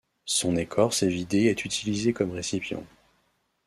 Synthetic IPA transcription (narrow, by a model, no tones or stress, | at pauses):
sɔ̃nekʰɔʁsevid̪eɛt̪ʰyt̪ʰilizekɔmʁesipjɑ̰̃